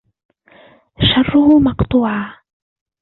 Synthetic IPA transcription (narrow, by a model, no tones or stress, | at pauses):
ʃɑrˤːʊhʊmɑqt̪ˤuːʕaː